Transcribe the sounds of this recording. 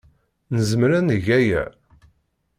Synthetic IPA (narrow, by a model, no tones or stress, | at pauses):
nəzəmɾænəʝæjæ̰